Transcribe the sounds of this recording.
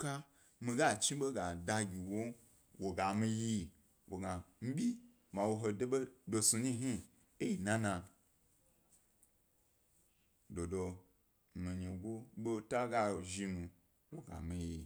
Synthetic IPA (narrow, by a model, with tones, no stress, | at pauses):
ka˦ | mĩ˧ɡa˦˨t͡ʃi˦ɓo˦ɡa˨da˧ɡʲi˨wo˦ | wo˨ɡa˨mi˧ji˦ | wo˨ɡa˨m̩˦bʲi˦ | ma˨wo˧ɦo˧do˦ɓo˦do˧su˧ɲi˦ɦi˦ | e˦ji˨nã˦nã˧ | do˨do˧ | mi˨ɲi˨ɡʷo˦ɓo˦ta˦ɡa˦o˨ʒi˧nũ˧ | wo˨ɡa̰˨mĩ˧ji˨